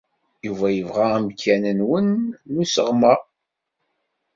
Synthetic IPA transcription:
juvæjəvʁæmkʰːænənwənːusə̰ʁmæ

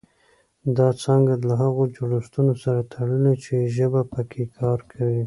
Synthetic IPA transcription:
d̪ɑt͡sɑŋɡalaɦaɣod͡ʒoɽust̪unosaɾat̪ʰaɽəlet͡ʃeʒəbapəkʰekʰɑɾkʰawi

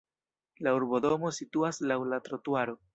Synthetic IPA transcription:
lauɾbo̞do̞mo̞situaslawlatɾotuaɾo

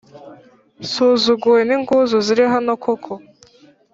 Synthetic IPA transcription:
suːzuɡuweniŋɡuzuziɾiɦanokʰokʰo

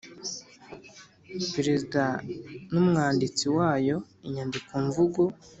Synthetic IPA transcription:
peɾezidanumŋaːndit͡siwaːjo̞ | iɲandikuɱvuɡu

